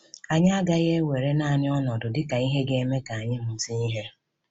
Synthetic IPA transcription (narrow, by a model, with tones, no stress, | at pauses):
a˨ɲa˦a˦ɡa˦ɣe˦we˨ɾe˦naː˦˨nɪ˦ɔ˦nɔ˨dʊ˨dɪ˦ka˨i˦ɦe˦ɡe˦me˦ka˨a˨ɲɪ˦m̩˨si˦ni˦ɦe˦